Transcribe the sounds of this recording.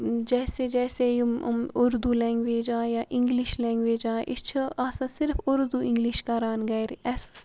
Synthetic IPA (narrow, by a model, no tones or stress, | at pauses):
d͡ʒɛːsed͡ʒɛːsejʊɾd̪uːlɛ̃ːŋɡʋeːd͡ʒãːjaːʔɪ̃ŋɡlɪʃlɛ̃ːŋɡʋeːd͡ʒãːʔɪt͡ʃʰaːsãsɪɾfʊɾd̪uːɪ̃ŋɡliʃkaɾaːnɡɐjɾɛs